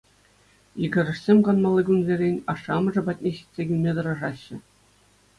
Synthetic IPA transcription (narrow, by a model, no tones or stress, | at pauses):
jiɡʲɘ̆ɾʲɘ̆ʂsʲemʲkɑnmɑlˠːɤɡunzʲerʲenʲɑʂːɑmɤ̆ʐɤ̆pɑt̚ʲnʲeɕi̥t̪ʲsʲeɡʲylʲmʲet̪ɤ̆ɾɑʐɑɕːɘ̆